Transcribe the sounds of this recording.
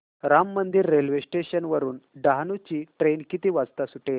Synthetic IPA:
ɾamːənd̪iɾːelʋesʈeɕənʋəɾuːnɖaɦnut͡ɕiːʈɾenkit̪iːʋad͡zt̪asuʈe

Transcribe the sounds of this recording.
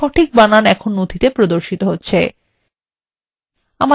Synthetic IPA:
ɔʈʰik̚bananɛkʰonːod̪ʱit̪epɾod̪oɾʃit̪oɦotːɕʰe | ama

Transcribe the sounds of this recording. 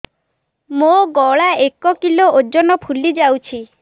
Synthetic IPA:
moɡɔɭaekɔkilood͡ʒɔnɔpʰulid͡ʒawt͡ʃʰi

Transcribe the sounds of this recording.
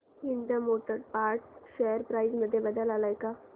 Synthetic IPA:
ɦind̪amoʈəɾpaɾʈ̚ɕejəɾpɾajzməd̪ʱːjebəd̪əlalajka

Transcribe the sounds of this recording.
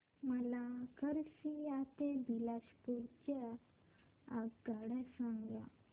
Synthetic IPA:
məlakəɾɕijat̪eb̪ilaɕpuɾt͡ɕa | aɡɡaɽɛsãŋɡla̰

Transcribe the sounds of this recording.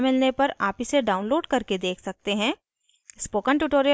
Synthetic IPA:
mɪlnepɐɾaːpiseɖaːʊ̃nloːɖkɐɾked̪eːkʰsɐk̚t̪eɦɛ̃ː | spoːkə̃ɳʈuʈoːɾijə

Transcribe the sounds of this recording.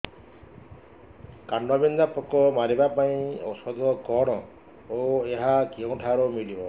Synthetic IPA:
kaɳɖɔbind̪apɔkɔmaɾibapaĩɔ̰sɔd̪ʱɔkɔɽ̃ɔ | oeɦakiɔ̃w̃ʈʰaɾɔmilibɔ

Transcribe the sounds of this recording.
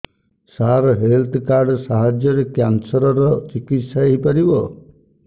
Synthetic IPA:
saɾɔɦelt̪ʰkaɾɖsaɦad͡ʒjɔɾekjansɔɾɔɾɔt͡ʃikit̪saeɦipaɾibɔ

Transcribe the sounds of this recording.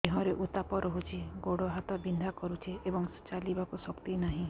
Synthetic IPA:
eɦɔ̃ɾeʔut̪apɔɾɔɦut͡ʃʰiɡoɽoɦat̪ɔbind̪ʱakɔɾut͡ʃʰiebɔŋt͡ʃalibakusɔkt̪inaɦĩ

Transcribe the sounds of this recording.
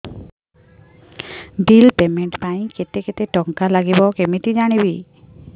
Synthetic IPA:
ɖilpemeɳʈpaĩket̪eket̪eʈɔŋkalaɡibɔkemiʈid͡ʒaɽ̃ibi

